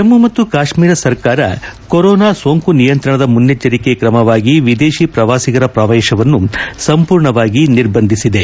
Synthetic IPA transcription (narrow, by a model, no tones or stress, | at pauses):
emːumɐt̪ːukaːʂmiːɾɐsɐɾkaːɾɐ̰koɾɔːnaːsoːŋkunijɐnt̪ɾɐɳɐd̪ɐmunːjɐt͡ʃːɐɾikekɾɐmɐʋaːɡiʋid̪eːʃipɾɐʋaːsiɣɐɾɐpɾɐʋɛːʃɐʋɐnːusɐmpuːɾɳɐʋaːɡiniɾbɐnd̪ʱisid̪e̞